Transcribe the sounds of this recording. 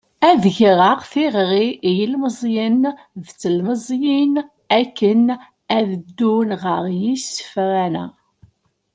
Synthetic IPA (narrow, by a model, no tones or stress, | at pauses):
æðʝɾˤəqθiʁɾijəlməzˤjən | ðt͡sːəlməzˤjin | ækːən | æðəd̪ːunʁəʁjisːə̥fɾænæ̰